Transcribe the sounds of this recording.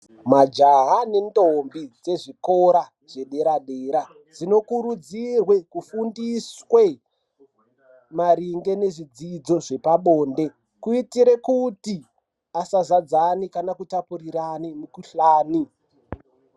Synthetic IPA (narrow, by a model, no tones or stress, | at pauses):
mad͡ʒaɦane̞ndombid͡ze̞ʐikoɾa | ʐe̞ɗe̞ɾaɗeɾa | d͡zino̞kuɾud͡zirwe̞kufundiswe̞ | maɾiŋɡe̞ne̞ʐid͡zid͡zo̞ʐe̞paɓoːnde̞ | kuitiɾe̞kuti | asazad͡zanikanakutapuriranimukuɬaːni